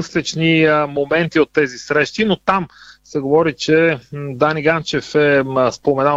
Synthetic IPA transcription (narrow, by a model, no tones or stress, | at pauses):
slɛt͡ʃnimomɛnt̪iot̪ːɛzisɾɛʃt̪inot̪amsɛɡovɔɾit͡ʃɛd̪aniɡant͡ʃɛfɛspomɛna